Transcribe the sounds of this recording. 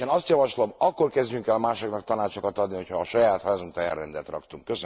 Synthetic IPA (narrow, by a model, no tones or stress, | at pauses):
ɛnɒst̪jɒvɒʃlo̞mɒkkːo̞rkɛzdɟyŋkɛlmaːʃoknɒkt̪ɒnaːt͡ʃo̞kɒt̪ɒd̪niho̞cʰhɒːʃɒjaːt̪haːzuŋt̪ɒjɛ̰rːɛnd̪ɛt̪rɒ̰kt̪uŋkkøs